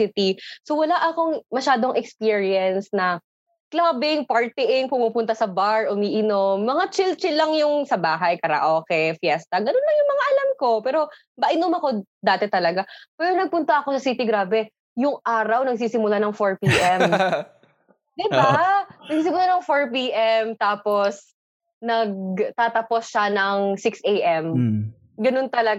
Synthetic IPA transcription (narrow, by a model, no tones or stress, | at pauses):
it̪isowɐlaʔɐko̞ŋmɐʃaːd̪oŋʔɛkspiːɹiɛnsnɐ | klaːbɪŋpɐɹt̪ɪʔɪŋpʊmuːpʊnt̪ɐsɐbaɹʔʊmiːʔɪnomːɐŋat͡ʃɪlt͡ʃɪlɐŋjʊŋsɐbaːɦɐjkɐɾa̰ʔoːkɛjfjɛst̪ɐɡɐnonlɐŋjʊŋmɐŋaʔɐlamko̞pɛːɾo̞ | bɐʔɪnomɐko̞ | d̪aːt̪ɛt̪ɐlɐɡapɛɾonɐɡ̚pʊnt̪ɐʔɐko̞sɐsiːt̪ɪɡɾaːbɛ | jʊŋʔaːɾɐwnɐɡ̚s̬iːsɪmʊlanɐŋfoɹpiːʔɛmm | d̪ɪbanɐɡsiːsɪmʊlanɐŋfoɹp̬iːʔɛmt̪aːpo̞s | nɐɡt̪aːt̪ɐposʃanɐŋsɪksʔejʔɛm | ɡɐno̞nt̪ɐlɐ